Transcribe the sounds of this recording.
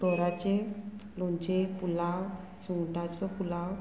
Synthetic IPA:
ɔɾat͡ɕelɔɲt͡ɕepulaw | suŋʈat͡sɔpulaw

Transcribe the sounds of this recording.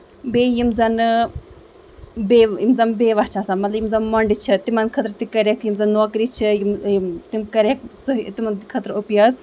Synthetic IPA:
bejimzɐn | bejimzɐmbeːʋat͡ʃʰaːsamɐt̪lɐjimzɐmmɐɳɖit͡ʃʰit̪imɐnkʰɐt̪ɾt̪ikɐɾekjimzɐnːoːkɾit͡ʃʰijimt̪imkɐɾʲek̚suɦt̪imɐnkʰɐt̪ɾopjaz

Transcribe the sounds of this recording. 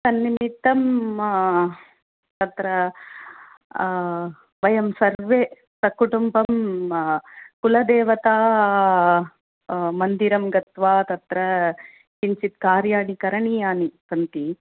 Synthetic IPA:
sɐnːimit̪ːɐm | t̪ɐt̪ɾɐ | ʋɐjɐmsɐɾʋeː | sɐkuʈumbɐm | kulɐd̪eːʋɐt̪aː | mɐnd̪iɾɐmɡɐt̪ʋaːt̪ɐt̪ɾɐ | kint͡ʃit̪kaːɾjaːɽikɐɾɐɳiaːnisɐnt̪i

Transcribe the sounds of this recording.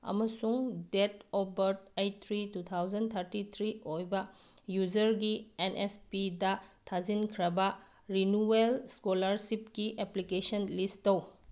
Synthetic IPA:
ɐ̰mɐsuŋdetɔbɐɾtajt̪ʰɾitut̪ʰawd͡ʒɐnt̪ʰɐɾtit̪ʰɾiojbɐ | jud͡ʒɐɾɡienʔespidɐtʰazinkʰɾɐbɐ | ɾinuelskolɐɾsipkiʔeplikesɐnlistɐw

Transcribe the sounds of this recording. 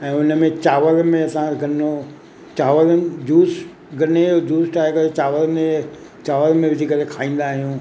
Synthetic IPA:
ɛ̃ːʊnəmẽt͡ɕaːʋəlmẽɐsãɡɐno | t͡ɕaːʋəld͡ʑuːs | ɡɐneod͡ʑuːsʈaːɪkɐɾet͡ɕaːʋəlmẽ | t͡ɕaːʋəlmẽʋɪd͡ʑʱikɐɾekʰaːĩːn̆d̪aɦijũː

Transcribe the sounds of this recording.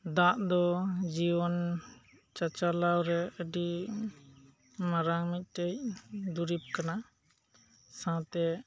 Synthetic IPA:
d̪aʔd̪ɔd͡ʒiwɔn | t͡ʃat͡ʃalawɾɛəɖi | maɾaŋmit̪̚ˀʈəc̚d̪uɾip̚kana | sãt̪ɛ

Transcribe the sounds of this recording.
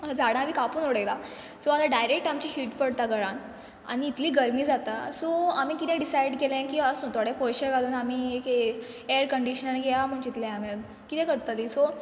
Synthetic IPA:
d͡zaɽ̃ãʋiːkapuːnoɽela | soat̪aɖajɾek̚ʈamt͡ɕiɦiːʈpəɽt̪aɡəɽan | a̰ɽ̃iːt̪liːɡəɾmiːd͡zat̪asoam̤iːkit̪ɛ̃ɖisajɖkelẽkiʋasot̪aɽẽpojɕəɾɡʱaluːnam̤iːek | eəɾkəɳɖiɕənɡɛjam̤əɳt͡ɕit̪lɛ̃ama | kit̪ɛ̃kəɽt̪aliːso

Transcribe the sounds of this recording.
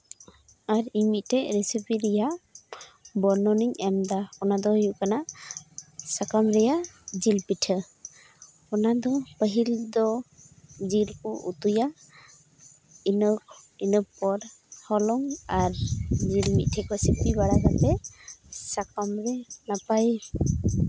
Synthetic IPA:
aɾimit̪̚ˀtɛɾisipiɾɛja | bɔɾnɔniŋɛmd̪aɔnad̪ɔhujuʔkana | sakamɾɛjad͡ʒilpitʰə | ɔnad̪ɔpəɦild̪ɔ | d͡ʒilkuʔṵt̪uja | inɔkinɔpɔɾhɔlɔŋaɾd͡ʒilmit̚tʰɛkɔsipibaɾaɡat̪ɛ | sakamɾɛnapaj

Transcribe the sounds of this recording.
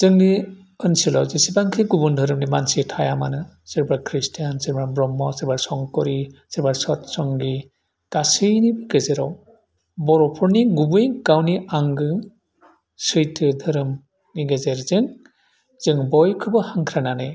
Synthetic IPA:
z̥ɯŋni | ɯnsilɔwzisibaŋkʰɯɡubundʱɯɾɯmnimansitʰajamanɯsiɾbaɾkʰɾistʰijansiɾbabɾɔmːɔsiɾbaɾsɔŋkɔɾisiɾbaɾsɔtsɔŋɡi | kasɯjnibɯɡezeɾɔw | bɔɾɔpʰɔɾniɡubukawniaŋɡɯ | sɯjtʰɯdʱɯɾɯm | niɡezeɾzɯŋ | z̥ɯŋbɔjkʰɯbɯhaŋkʰɾananɯj

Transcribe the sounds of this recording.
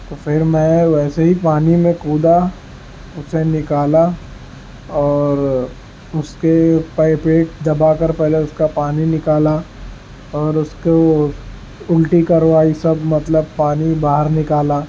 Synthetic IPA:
t̪ofʰɪɾmɛ̃ʋɛːseɦipaːnimẽkuːd̪a | ʊsenɪkaːla | ɔːɾ | ʊskepaɪpeːʈ̚d̪ɐbakɐɾpɛɦleʊskapaːninɪkaːla | ɔːɾʊsko | ʊlʈikɐɾʋaːisɐbmɐt̪ləb̚paːnibaːɦəɾnɪkaːlaː

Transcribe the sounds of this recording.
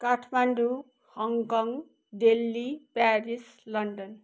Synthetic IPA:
kaʈʰmaɳɖu | hʌŋkʌŋ | ɖelːipaɾis | lʌɳɖʌn

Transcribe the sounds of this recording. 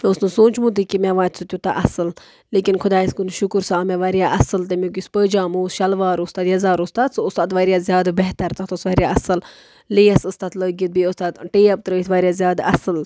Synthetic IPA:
osnusũːnt͡ʃmũːt̪̬ikimaʋaːt̪sʰut̪ʲjut̪aʔɐsɨl | leːkinkʰʊd̪aːiskunʃukɾsaaːmeʋaɾjaːʔɐsɨlt̪emʲuk̬ʲispəːd͡ʒaːmuːsʃɐlʋaːɾust̪aːd̪jɐzaːɾust̪aːd̪soʊst̪aːd̪ʋaːɾjaːzʲjaːd̪beɦt̪ɐɾt̪ɐt̪osʋaːɾjaɐsɨl | liːjɐsust̪aːt̪ləːɡit̪̚biost̪aːt̪ʈeːjɐb̚t̪ɾəːit̪ʋaːɾʲjaːzʲjaːd̪ɐsɨl

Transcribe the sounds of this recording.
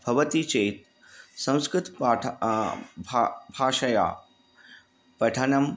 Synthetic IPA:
bʱɐʋɐt̪it͡ʃeːt̪ | sɐ̃w̃skɾɪt̪ːʰ | bʱbʱaːʂɐja̰ː | pɐʈʰɐnɐm

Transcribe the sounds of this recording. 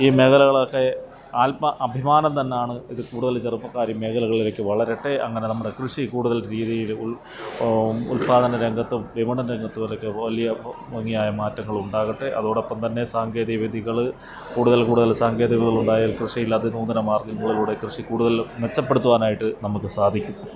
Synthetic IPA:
iːme̞ɣɐlɐɣɐɭokːe | aːlɐʔɐbʱimaːnɐmt̪ɐnːejaːɳɨiðɨkuːɽuðɐlt͡ɕerupːɐkːaːɾjɐmːeːɣɐlɐɣɐɭilekːɨʋɐɭɐɾeʈːe̞ʔɐŋːɐne̞nɐmːuɽekrɨʂikuːɽuðɐlɾiːðijilu | ṵlpaːðɐnɐɾeŋɡɐt̪ːɨʋimɐɳɐnɾeŋɡɐt̪ːɨʋɐlɐkːeɐlijɐʋɐŋːijaːjɐmaːtːɐŋːɐɭuɳɖaːɣɐʈːeʔɐðoːɽo̞pːɐmt̪ɐnːe̞saːŋɡe̞ːðiʋid̪ʱiɣɐɭ | kuːɽuðɐlkuːɽuðɐlsaːŋɡe̞ːðiʋiɐɣɐɭuɳɖaːjaːlkrɨʂijilɐðɨnuːnd̪ɐnɐmaːrɡɐŋːɐɭiluːɽe̞krɨʂikuːɽuðɐlʋe̞t͡ɕːɐpːe̞ɽut̪ːuʋaːnaːjiʈːɨnɐmukːɨsaːd̪ʱikʲːunːɐ

